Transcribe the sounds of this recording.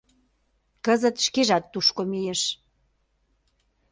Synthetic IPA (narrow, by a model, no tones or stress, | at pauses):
kəzət̪ʃkeʒɑt̪ːuʃkomieʃ